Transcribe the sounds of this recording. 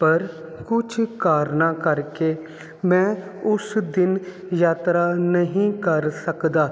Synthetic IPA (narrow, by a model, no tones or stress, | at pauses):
pəɾ | kʊt͡ʃʰkaːɾnaːkəɾkeː | mɛ̃ːʊsd̪ɪn | jaːt̪ɾaːnəɦĩːkəɾsəkd̪aː